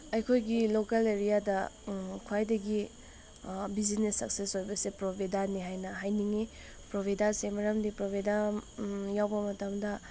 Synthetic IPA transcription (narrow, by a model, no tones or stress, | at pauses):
ɐjkʰojɡilokɐleɾijadɐkʰuajdɐɡi | bizinesːɐ̰k̚sesojbɐsepɾobʱedaɾniɦajnɐɦajniŋi | pɾobʱidaɾsemɐɾɐmdipɾobedaɾjawbɐmɐtɐmdɐ